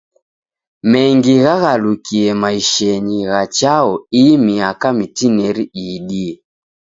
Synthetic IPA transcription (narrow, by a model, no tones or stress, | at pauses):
mɛŋɡiɣaɣalukiɛmaiʃɛɲiɣat͡ʃaɔimiakamitinɛɾiiɗiɛ